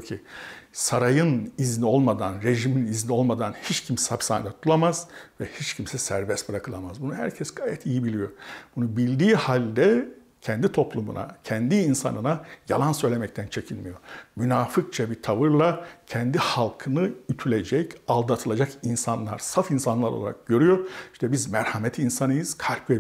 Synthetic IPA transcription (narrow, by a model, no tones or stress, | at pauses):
ocʰisaɾajɯniznio̞lˠmad̪anɾe̞ʒiminiznio̞lˠmad̪anhit͡ʃcʰimsapsa̰nd̪at̪ʰulˠamaz̥vɛhit͡ʃcʰimsɛsæɾbɛst̪̚bɯɾakʰɯlˠamazbunuhæ̰ɾcʰɛsɡ̥aːjɛt̪ʰijibilʲijo̞b̥unubilʲd̪iːhalʲd̪ɛ | cʰɛnd̪it̪ʰo̞plˠumṵna̰cʰɛnd̪iːnsa̰nɯnaja̰lˠansø̞jlʲemɛc̚t̪ʰænt͡ʃʰe̞cʰilmijo̞mynaːfɯk̚t͡ʃʰabit̪ʰavɯɾlˠacʰɛnd̪ihalˠkʰɯnɯyt̪ʰylʲe̞d͡ʒɛcalˠd̪at̪ʰɯlˠad͡ʒakinsanlˠa̰ɾsafinsanlˠaɾolˠaɾa̰k̚ɟø̞ɾyjo̞iʃt̪ʰɛbizmæɾhamɛt̪ʰinsanɯjɯz̥kʰalʲpe